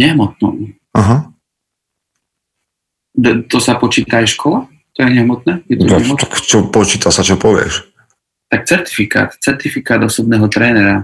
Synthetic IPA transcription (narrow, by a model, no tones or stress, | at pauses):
ɲɛɦmɔt̪̚nṵ | aɦa | d̪t̪ɔsapɔt͡ʃiːt̪aːjʃkʰɔla | t̪ɔjɛɲɛɦmɔt̪̚nɛːjɛt̪ɔɲɛɦmɔt̪t̪akt͡ʃɔpɔt͡ʃiːt̪asat͡ʃɔpɔʋɪɛ̰ʃ | t̪ak̚t͡sɛɾt̪i̥fika̰ːt̪t͡sɛɾt̪ifikaːd̪ɔsɔbnɛːɦɔt̪ɾɛːnɛɾa